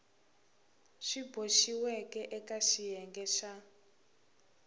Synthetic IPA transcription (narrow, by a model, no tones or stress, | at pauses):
ʃiboʃiwɛkɛʔɛkaʃijɛŋɡɛʃa